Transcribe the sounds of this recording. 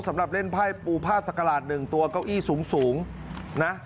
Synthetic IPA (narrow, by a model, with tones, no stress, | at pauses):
sa˩˦mɾa˨˩p̚le˥˩npʰaː˥˩jpuː˧pʰaː˥˩sa˨˩kːa˧laː˨˩t̪̚nɯ˨˩ŋt̪u˧ɐkaː˥˩wʔiː˥˩suː˩˦ŋsuː˩˦ŋ | na˦˥